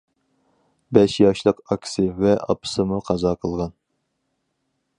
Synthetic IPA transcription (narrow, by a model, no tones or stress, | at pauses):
bɛʃjɑʃlˠəqɑkʲʰsɨvɛʔɑ̰pʰɨ̥sɨmuqʰɑzɑqʰəlˠʁɑn